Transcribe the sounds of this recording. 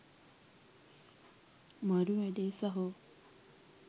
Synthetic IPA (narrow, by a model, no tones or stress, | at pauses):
mɐɾuʋæɖeːsɐɦo